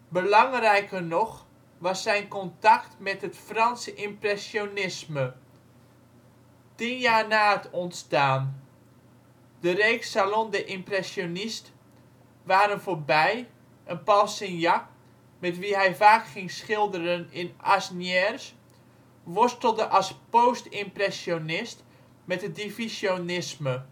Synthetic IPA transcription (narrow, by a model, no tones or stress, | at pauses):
bəlɑŋrɛjkərnɔx | ʋɑsːɛjnkɔntaktmɛtɦətfrɑnsəʔɪmprɛsjonɪsmə | tinjaːrnaːətʰɔntstaːn | d̥əreːksalɔndəʔɪmprɛsjonist | ʋaːɾənfoːrbɛj | ʔənpɔlˠsɪnja | mɛtʋiɦɛjvaːkχɪŋsχɪlˠdəɾənɪnasnjɛrs | ʋʊstəl̩ˠdəʔɑspowstɪmprɛsjonɪst | mɛtədifisjonɪsmə